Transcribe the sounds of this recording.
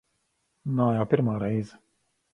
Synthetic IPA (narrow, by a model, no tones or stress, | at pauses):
naːjaːpʲiɾmaːɾɛjzɛ